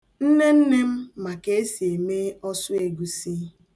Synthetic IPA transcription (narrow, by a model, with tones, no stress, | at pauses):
n̩˦ne˦n̩˦ne˦m̩˦ma˨ke˨e˦si˨e˨me˦ɔ˦sʊ˦e˨ɡu˨si˦